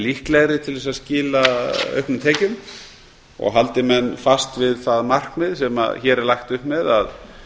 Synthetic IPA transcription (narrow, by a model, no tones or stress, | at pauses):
lihklɛɣɾɪt̪ʰɪlðvɛsascɪːlaœ̰ɥhknʏmt̪ʰeːcʏm | ɔ̰ɣɦalt̪ɪmɛnːfast̪vɪðθaðmar̥kmɪðsɛma̰çɛːɾɛɾlajxt̪ʏhpmɛðað